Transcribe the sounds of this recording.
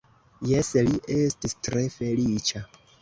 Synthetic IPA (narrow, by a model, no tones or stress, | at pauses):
jesliʔe̞stistɾe̞fe̞lit͡ʃa